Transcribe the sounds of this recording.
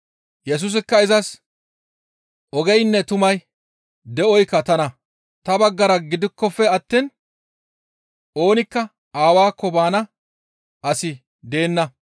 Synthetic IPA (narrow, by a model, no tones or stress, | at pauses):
jɛs̬ʊs̬ɪkːɐɪzɐs | ʔɔɡɛjnːɛt̪ʊmɐj | d̪ɛɔjkːɐt̪ɐnɐ | t̪ɐbɐɡːɐɾɐɡɪd̪ɪkːɔfːɛɐt̪ːiːn | o̞ːnɪkːɐ | aːwaːkːɔbaːnɐ | ʔɐsɪ | d̪e̞ːnːɐ